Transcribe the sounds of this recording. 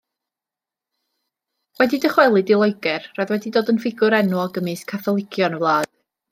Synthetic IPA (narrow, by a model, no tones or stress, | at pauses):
wɛdidəχwɛlˠɨdɪlˠɔɨɡɛrraðwɛdidoːdənfɪɡʊɾɛnuɡəmɨskʰaθɔlˠɪkʰjɔnəvlˠaːð